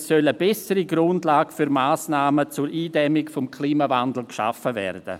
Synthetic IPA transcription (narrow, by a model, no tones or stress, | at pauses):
ssœləbɛsəɾiɡɾʊndlaːɡfyɾmaːsnaːmət͡suɾʔiːdɛmɪkfɔmkʰliːmavandl̩kʃa̰fəvɛ̰rd̥ə̰